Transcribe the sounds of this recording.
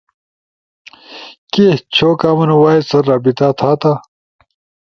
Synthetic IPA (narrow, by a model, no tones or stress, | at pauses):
keht͡ɕʰoːkaːmɐnɐwaːisɐɾːaːbit̪aːt̪ʰaːt̪aː